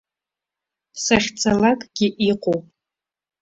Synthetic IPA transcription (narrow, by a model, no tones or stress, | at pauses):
saχʲt͡sʰʼalakʼɡʲɪʔiqʼowpʼ